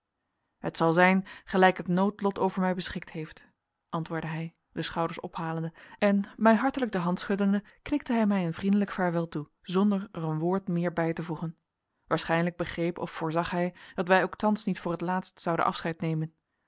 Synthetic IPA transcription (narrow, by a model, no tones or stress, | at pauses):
hətsɑlˠzɛjnχəlɛjkɦətnowtlɔtowvəɹmɛjbəsχɪk̚tɦejft | ʔɑntʋʊːɹdəɦɛj | dəsχɑwdəɹsɔ̰pɦaːləndəɛnmɛjɦɑɹtələɡ̚dəɦɑntsχɵtəndəknɪk̚təɦɛjmɛjənvrindələkfaːɹʋɪlˠtu | zɔndəɹərənʋʊːɹtmɪːɹbɛjtəvuχən | ʋaːɹsχɛjnələɡ̚bəχrejpɔ̰fʊːɹzɑχɦɛjd̥ɑtʋɛjowktɑnsnitfʊːɹətlaːtstsɑwdə̰ʔɑ̰fsχɛjtnejmən